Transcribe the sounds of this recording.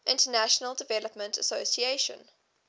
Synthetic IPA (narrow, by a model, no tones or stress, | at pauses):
ʔɪ̃ntənæʃənəlˠdɪvɛləpmə̃ntʰəsoʊsieɪʃə̰̃n